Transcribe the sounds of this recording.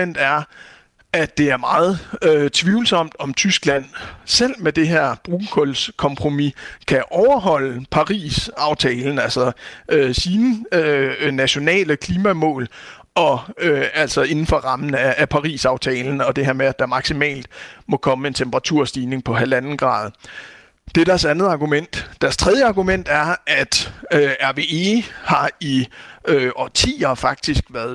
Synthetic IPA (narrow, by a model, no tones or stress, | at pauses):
en̰d̥æɐ | æd̥e̝æɐmɑ̈ːð̞̩ˠøt͡sʰʋiːʊl̩sɒ̽m̰d̥ɒ̽mt͡sʰysɡ̥læn̰sel̰med̥e̝ɦeɐ̰b̥ʁuːkʰolskʰɒ̽mpʰʁo̝mikʰæʔɒʊɐɦɒ̽l̰əpʰɑ̈ʁḭːsɑ̈ʊt͡sʰɛːln̩ælsɒ̽øsiːnəønæɕo̝nɛ̰ːləkʰliːmæmɔ̰̽ːl | ɒ̽øæl̰sɒ̽e̝nn̩fɒ̽ʁɑ̈mn̩æːpʰɑ̈ʁḭːsɑ̈ʊt͡sʰɛːln̩ɒ̽d̥e̝ɦeɐ̰meæd̥ɑ̈mɑ̈ɡ̥simɛ̰ːld̥mɒ̽kʰɒ̽məe̝nt͡sʰemb̥əʁɑ̈t͡sʰuɐ̰sd̥iːne̝ŋpʰɒ̽ɦælænn̩ɡ̥ʁɑ̰̈ːð̞ˠ | d̥e̝ɾ̥æɐsænð̞̩ˠɑ̈ɡ̥umen̰d̥d̥æɐst͡sʰʁɛð̞ˠjəɑ̈ɡ̥umen̰d̥æɐʔæd̥øæɐʋe̝ːe̝hɑ̈iøɒt͡sʰḭːɐfɑ̈ɡ̥̚d̥isɡ̥ʋæɐðˠ